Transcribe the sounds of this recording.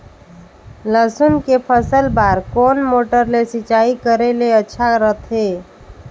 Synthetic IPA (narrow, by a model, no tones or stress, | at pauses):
ləsʊnkepʰəsəlbaːɾkoːnmoːʈəɾlesɪt͡ʃaːikəɾeleətːʃʰaɾət̪ʰɦeː